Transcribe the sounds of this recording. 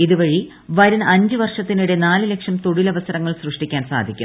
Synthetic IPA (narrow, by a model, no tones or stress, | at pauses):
iðuʋɐɻi | ʋɐɾunɐɲd͡ʑɨʋɐrʂɐt̪ːinuɽenaːlɨle̞kʂɐmt̪oɻilɐʋɐsɐɾɐŋːɐɭsrɨʂʈikʲːaːnsa̰ːd̪ʱikʲːṵm